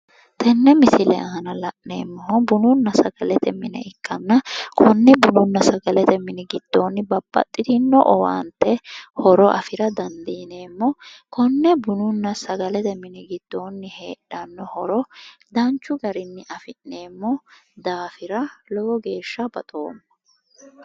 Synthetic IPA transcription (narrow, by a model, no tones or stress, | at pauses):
t̪ʰɛnːɛmɪsɪlɛ̰ɐɦɐnɐlɐʔnḛːmːɔɦɔbʊnʊnːɐsɐɡ̥ɐlɛt̪ɛmːɪnɛ̰ɪkːɐnːɐkʰɔnːɛbʊnʊnːɐsɐɡɐlɛt̪ɛmːɪnɛɡɪd̪̥ːoːnːɪbɐbːɐ̰t̪ʼːɪd̪ɪnːɔʔɔwa̰ːnt̪ːɛhɔɾɔʔɐfɪɾɐd̪ɐnd̪iːne̞ːmːɔkʰɔnːɛbʊnʊnːɐsɐɡɐlɛt̪ɛmːɪnɛɡɪd̪̥ːo̞ːnːɪhe̞ːᶑɐnːɔhɔɾɔd̪ɐnt͡ʃːʊɡɐɾɪnːɪʔɐfɪnːe̞ːmːɔd̪aːfɪɾɐlɔwɔɡe̞ːʃːɐbɐ̰t̪ʼoːmːɐ̥